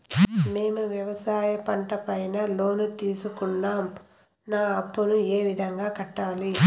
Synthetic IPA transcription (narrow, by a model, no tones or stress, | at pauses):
me̞ːmuʋjɐʋɐsaːjɐpɐɳʈɐpɐjnɐlo̞ːnut̪iːsukunːaːm | naːɐpːunueːʋid̪ʱɐŋɡaːkɐʈːaːli